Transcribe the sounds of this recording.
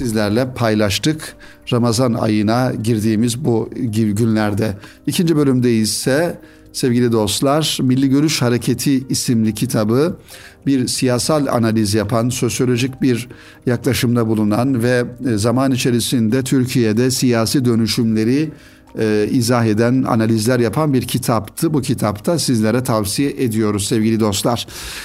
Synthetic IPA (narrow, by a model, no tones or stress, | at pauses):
sizlʲæɾlʲɛpʰajlˠaʃt̪ʰɯk | ɾamazana̰jɯnaɟiɾd̪iːmizbuɟynlʲæɾd̪ɛ | icʰind͡ʒibø̞lʲymd̪ejizsɛ | sɛvɟilʲid̪o̞st̪lˠaɾmilʲːiɟø̞ɾyʃhaɾe̞cʰe̞t̪ʰiːsimlʲicʰit̪ʰabɯbiɾsijaːsalʲˠa̰nalʲizjapʰanso̞sjo̞lʲo̞ʒicbiɾ | jaklˠaʃɯmd̪abulˠunanvɛzamanit͡ʃʰe̞ɾisind̪ɛt̪ʰyɾcʰijed̪ɛsijaːsiːd̪ø̞nyʃymlʲe̞ɾi | izaɦe̞d̪æna̰nalʲizlʲæɾjapʰanbiɾcʰit̪ʰapt̪ʰɯbucʰit̪ʰapt̪ʰasizlʲeɾɛt̪ʰavsijɛʔed̪ijo̞ɾuzsɛvɟilʲid̪o̞st̪lˠaɾ̥